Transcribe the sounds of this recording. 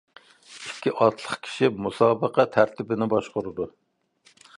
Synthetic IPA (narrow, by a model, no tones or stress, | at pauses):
ikʲːiʔɑt̪lˠəχkʲʰi̥ʃimusɑːbəqʰɑt̪ʰæɾt̪ʰɪbɪnɪbɑʃqʊɾɨd̪u